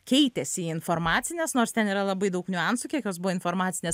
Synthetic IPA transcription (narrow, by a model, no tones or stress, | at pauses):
kʲɛɪt̪ʲɛsʲɪiːɪnfoɾmɑːt̪t͡s̪sʲɪnʲeːsnoːɾst̪ʲɛniːɾɐlˠɐbɐɪd̪ɐʊknʲʊɛnsʊːkʲiɛkjoːsbʊʋoːɪnfoɾmɑːtsʲɪnʲeːs